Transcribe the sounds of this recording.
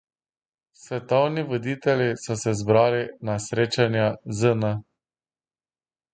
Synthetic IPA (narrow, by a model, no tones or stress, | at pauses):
sʋɛt̪ɔwniʋɔd̪it̪ɛlʲjisɔsɛzbɾaːlinasɾeːt͡ʃanjazənə